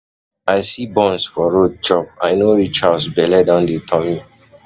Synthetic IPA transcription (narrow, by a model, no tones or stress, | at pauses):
aɪsibɔ̃nsfɔɹod̚t͡ʃɔp̚aɪnoɹit͡ʃasbɛlɛdãʊ̃ndetʰɔmi